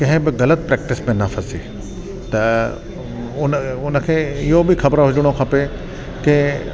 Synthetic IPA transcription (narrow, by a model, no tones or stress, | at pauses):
kɐ̃ɦɪ̃bɪɣɐlət̪̚pɾɛːk̚ʈɪsmẽnɐfʰɐsḭ | t̪ɐ | ʊnʊnə̆kʰeːɪɦobɪxɐbɾaɦʊd͡ʒʊɽ̃okʰɐpe | kɪ